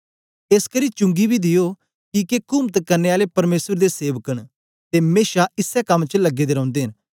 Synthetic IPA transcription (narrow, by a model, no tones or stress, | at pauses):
eskəɾiːt͡ʃʊ̃ŋɡibʱid̪ɪjoː | kikekʊmt̪kəɾneːaːlepɐɾmeːsəɾd̪eseːʋəkəɽ̃ | t̪eːmeːʃaɪsːɛkɐmːt͡ʃəlɐɡːeːd̪eːɾɔ̃ʊ̃nd̪eːɦɪn